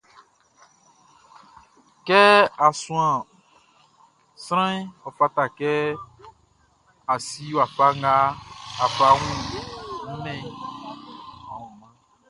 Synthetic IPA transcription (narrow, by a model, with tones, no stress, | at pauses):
kɛ˦a˨sũ˨ã˨ | sɾ̃ã˦ĩ˦ɔ˨fa˦ta˨kɛ˦ | a˨si˦wa˨fa˦ŋ˦ɡa˦a˨fa˦wũ˦˨ñ̩˦mɛ̃˨ | ɔ˨wɔ̃˨mã˦